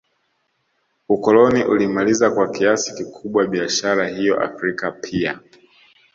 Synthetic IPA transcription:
ukɔlɔniʔulimalizakwakiasi̥kikʰuɓwaɓiaʃaɾahijɔ̰ʔa̰fɾikapʰia̰

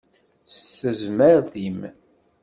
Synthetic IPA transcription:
sθəzməɾðim

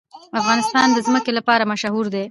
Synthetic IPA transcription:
afɣɑnɪst̪ɑnd̪əzməkelapɑɾamaʃɦuɾd̪e

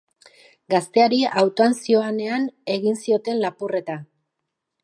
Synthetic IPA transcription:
ɡast̪e̞aɾiawt̪oansio̞ane̞ane̞ɣinsio̞t̪e̞nlapure̞t̪a

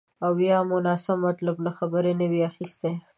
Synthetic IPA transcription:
awːjɑmʊnɑsɪmmːat̪lablaxabəɾenəwiaxist̪e

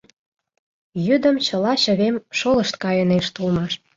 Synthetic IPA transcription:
jyd̪ə̆mt͡ɕə̆lɑɕə̆βemʃolə̆ʃt̪kɑjə̆neʃt̪ulmɑʃ

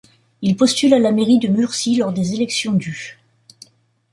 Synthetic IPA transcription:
ilpɔst̪ylalameʁid̪əmyʁsilɔʁd̪ezelɛksjɔ̃d̪y

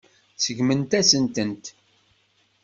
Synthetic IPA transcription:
səɡmənt̪æsənt̪ənt̪

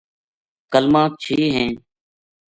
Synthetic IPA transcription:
kəlmãːt͡ʃʰiːɦẽː

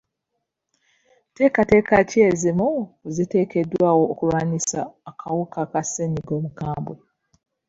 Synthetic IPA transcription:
te̞ːkate̞ːkace̞ːzimuzite̞ːke̞dwaːwo̞ːkuβaːɲisa̰ːkʰawukakaseɲiɡo̞ːmukaːmbwe

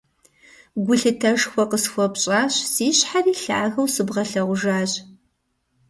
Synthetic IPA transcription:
ɡʷʊɬɨtʰɐʒxʷɔqəsxʷɔpɕʼaːɕsiːɕħariːɬa̰ʔaɣɐwsɨbʁɐɬɐʁʷʊʒaːɕ

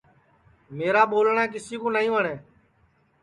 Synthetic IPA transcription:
meːɾaːɓoːlɳãːk̬ɪsiːkõːnaːĩːəɳeː

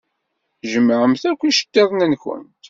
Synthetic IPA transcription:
ʒəmːʕəmθækʷːiʃə̥t̪ːæðnænçə̰nt̪

